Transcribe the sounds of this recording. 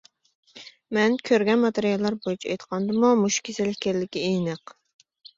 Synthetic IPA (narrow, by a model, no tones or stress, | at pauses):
mɛnkʲʰøɾɡʲɛnmɑt̪eɾijɑlˠːɑɾbojut͡ʃʰiɛ̰jt̪qʰɑnd̪ɨmumuʃkʲʰesɪlɪhʲkʲæɾlɪkʲiejnɨq